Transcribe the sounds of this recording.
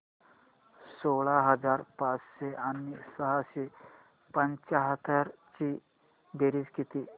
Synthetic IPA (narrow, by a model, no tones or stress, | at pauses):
soɭaɦəd͡zaɾpat͡sɕeʔanisəɦaɕe | pəɲt͡ɕaɦət̪ʰəɾt͡ɕi | beɾid͡zkit̪iː